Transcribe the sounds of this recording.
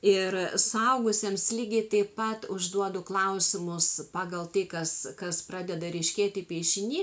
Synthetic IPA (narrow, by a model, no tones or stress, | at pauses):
ɪrsʊɐʊɡʊsʲeːmslʲiːɡʲɪt̪ɐɪpɐt̪ʊʒd̪uɔd̪ʊklˠɐʊsʲɪmʊspɑːɡɐlˠt̪ɐɪkɐskɐsprɑːd̪ʲɛd̪ɐɾʲɛɪʃʲkʲeːt̪ʲɪpʲiɛʃʲɪnʲiː